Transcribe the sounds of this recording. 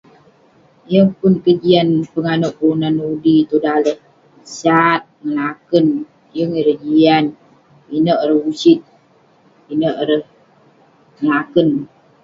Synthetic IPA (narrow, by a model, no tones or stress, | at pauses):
jəŋpʊnkəd͡ʒianpəŋanuʔunanudit̪udalə | sat̪̚ŋəlakən | jəŋiɾəd͡ʒian | inəʔɾəusit̪̚ | inəʔɾəh | ŋəlakən